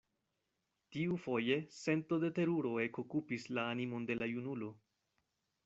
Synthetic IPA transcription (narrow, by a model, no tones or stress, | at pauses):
tiufo̞je̞se̞nto̞de̞te̞ɾuɾo̞e̞ko̞kupislaːnimo̞nde̞lajunulo̞